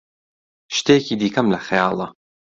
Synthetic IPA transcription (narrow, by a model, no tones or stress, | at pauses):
ʃt̪ekiːd̪iːkʰɐmlɐxjɑ̰ːlˠɐ